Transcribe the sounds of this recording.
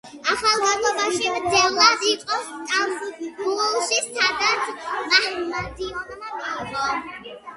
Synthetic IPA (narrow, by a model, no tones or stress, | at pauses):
aχalˠɡalɔbaʃid̪ɛlˠad̪iqʼɔst̪ʼalɡuɔlˠʃist̪ʰad̪at̪ʰmahɾmad̪iɔnmakʼaʁɔ